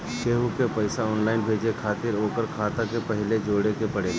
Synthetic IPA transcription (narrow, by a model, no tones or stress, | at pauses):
keːɦukepɐɪsaɔːnlaːɪnbʱeːd͡ʒekʰaːt̪ɪɾoːkəɾkʰaːt̪akepɛɦɪled͡ʒoːɽekepɐɽeː